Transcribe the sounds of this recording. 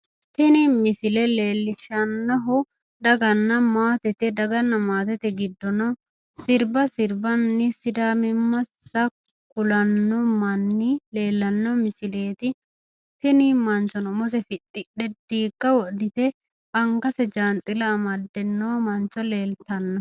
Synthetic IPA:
t̪ɪnɪmɪsɪlɛle̞ːlːɪʃɐnːɔɦʊ | d̪ɐɡɐnːɐmaːt̪ɛt̪ɛd̪ɐɡɐnːɐmaːt̪ɛt̪ɛɡɪd̪ːɔnɔ | sɪɾbɐsɪɾbɐnːɪsɪd̪aːmɪmːɐsːɐ | kʊlɐnːɔmɐnːɪle̞ːlːɐnːɔmɪsɪle̞ːt̪ɪ | t̪ɪnɪmɐnt͡ʃɔnɔmɔs̬ɛfɪɗːɪᶑɛd̪̥iːkːɐwɔʔd̪ɪt̪ɛ | kɐŋkɐsɛd͡ʒant̪ʼɪlɐːmɐd̪ːɛnːɔmɐnt͡ʃɔle̞ːlt̪ɐnːɔ

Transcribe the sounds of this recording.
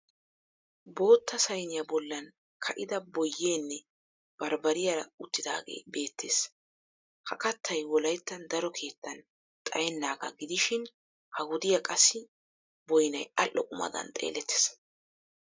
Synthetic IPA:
bo̞ːt̪ːɐsɐjnɪjɐbɔlːɐn | kʰɐʔɪd̪ɐbɔjːeːnːɛ | b̥ɐɾbɐɾɪjɐɾɐʊt̪ːɪd̪a̰ːɡe̞̰ːbe̞ːt̪ʰːe̞ːs | hɐkɐt̪ʰːɐjwɔlɐjt̪ːɐnd̪ɐɾɔkʰe̞ːt̪ːɐn | t̪ʼɐjɛnːaːɡɐɡɪd̪ɪʃɪn | hɐwʊd̪ɪjɐkʼɐsːɪ | bɔjnɐjɐlʔːɔkʼʊmɐ̰d̪ɐ̰nt̪ʼḛːlɛt̪ʰːe̥s

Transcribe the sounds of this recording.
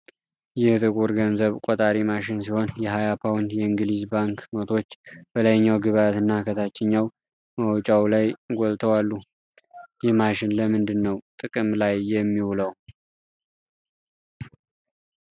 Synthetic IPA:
jɪht̪ʼɨkʼuɾɡənzəβkʼot̪ʼaɾimaʃɪnsiho̞njɛɦajapʰawnd̪jɛɨŋɡɨlizbaŋkmət̪ʰo̞t͡ʃːb̥əlajɲːawɡɨβat̪ɨnːakʰət̪ʰat͡ʃːɛɲːaw | məwt͡ʃʼawlajɡʷolt̪ʰəwalːu | jɛhmaʃɪnləmɨnd̪ɨnːəwt̪ʼɨkʼɨmlajːɛmːiwuləw

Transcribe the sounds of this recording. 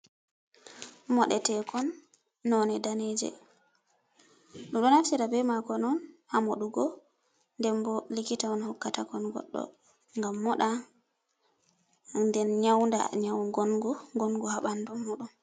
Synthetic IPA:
mɔɗɛ̰tɛkɔnː | ɔnɛdaned͡ʒɛ̰ | ɗuɗɔnaftiɾabɛmakɔnɔnhamoɗuɡɔ | ndɛmbɔlikitaɔnhɔkːatakɔnɡɔ̰ɗːɔ̰ | ŋɡamːɔɗa | ndɛnɲawnda̰ɲawɡɔnɡuɡɔnɡuhaɓandɔmːuɗun

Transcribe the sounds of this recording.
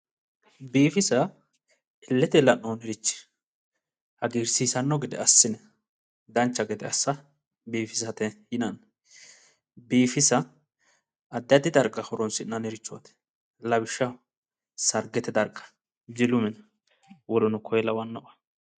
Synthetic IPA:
biːfɪsɐ | ɪlːɛt̪ɛlɐnoːnɪɾɪt͡ʃːɪ̥ | hɐɡiːɾsisɐnːɔɡɛd̪ɛ̰ɐsːɪnɛ | d̪ɐnt͡ʃːɐɡɛd̪ɛɐsːɐ | biːfɪsɐt̪ɛhɪnɐn | biːfɪsɐ | d̪ːɐd̪ɪd̪ɐɾkʼːɐhɔɾɔnsɪnːɐnɛɾɪt͡ʃːɔɐ̰t̪ɛ̥ | lɐbɪʃːɐ | sɐɾɡɛt̪ɛd̪ɐɾkʼːɐ̥ | d͡ʒɪlʊmɛnɐ | wɔlɔnʊkʰɔjɛlɐwɐnːɐbɐ̥

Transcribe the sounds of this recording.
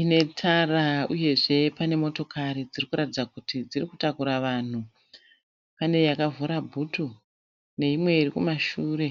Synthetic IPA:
ine̞tʰarauje̞ʐe̞pane̞mo̞to̞kaɾid͡zirikuɾatid͡zakutid͡zirikutakuɾaʋan̤u | pane̞jakavuɾabʱutu | ne̞imwe̞irikumaʃuːre̞

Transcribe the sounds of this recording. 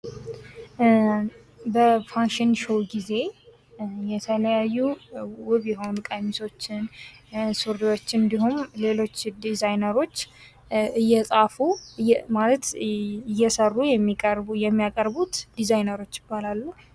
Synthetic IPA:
bəfanʃɪnʃowɡize̞ | jɛt̪ʰələjajːuwʊβjɛɦo̞nukʼamiso̞t͡ʃːɪnsuɾd̪iwo̞t͡ʃːɨnd̪iɦumle̞lo̞t͡ʃːd̪izajnəɾo̞t͡ʃː | ʔɨjːɛsʼafumalət̪ɨjːɛsərːujɛmːikʼjɛmːijakʼəɾbut̪d̪̥izajnəɾo̞t͡ʃːjɪbːalalːu

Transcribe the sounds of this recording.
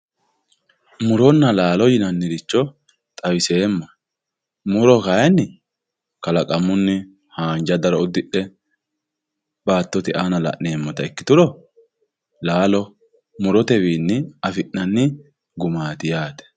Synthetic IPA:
mʊɾɔnːɐlaːlɔjɪnɐnːɪdɪt͡ʃːɔ | t̪ʼɐwɪse̞ːmːɐ | mʊɾɔkɐjnːɪ | kɐlɐkʼɐmʊnːɪ | haːnd͡ʒɐd̪ɐɾɔʊd̪ɪʔːɛ | b̥aːt̪ːɔt̪ɪʔaːnɐlɐ̰ʔne̞ːmːɔt̪ɐɛkːɪ̥t̪ʊɾɔ | laːlɔ | mʊɾɔt̪ɛwiːnːɪɐfɪʔnɐnːɪ | ɡʊmaːt̪ɪjaːt̪ɛ̥

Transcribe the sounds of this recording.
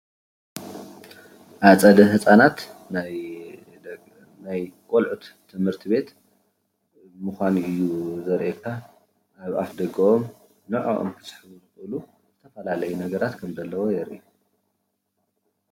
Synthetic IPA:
ʔaβt͡sʼɐd̪ɐɦɨt͡sʼanat̪naj | najkʼolʕut̪ʰːɨmhɨɾt̪ʰiβe̞t̪ | mɨxʷaniɨjːuzɐɾʔekʰːa | ʔaβafd̪ɐɡɐom | nɨʕo̰ʔo̰mtʰɨ̥sʼħɨβuzɨxɨlu | zɨt̪ʰɐfɐlalɐjunɐɡɐɾat̪kʰɐmzɐlːɐwojɛɾʔiu

